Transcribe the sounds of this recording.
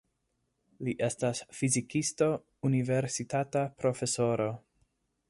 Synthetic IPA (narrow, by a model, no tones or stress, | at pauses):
liʔe̞stasfizikisto̞ | unive̞ɾsitatapɾo̞fe̞so̞ɾo̞